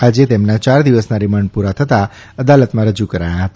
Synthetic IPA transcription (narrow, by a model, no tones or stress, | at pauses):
ad͡ʒet̪emnat͡ʃaɾd̪iʋəsnaɾimaɳpuɾat̪ʰət̪a | əd̪alət̪mãɾəd͡ʒukəɾajãɦət̪a